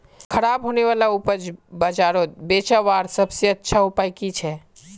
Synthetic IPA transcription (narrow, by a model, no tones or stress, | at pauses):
kʰəɾaːbɦoneʋalaupəd͡ʒbad͡ʒaɾot̪bet͡ʃaʋaːɾsəbseətːʃʰaɦupajkit͡ʃʰɛ